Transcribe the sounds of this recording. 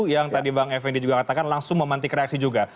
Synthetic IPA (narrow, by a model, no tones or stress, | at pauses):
jaŋt̪adibaŋɛfɛndid͡ʒuɡakat̪akanlaŋsʊŋməmant̪ikɾeaksid͡ʒuɡa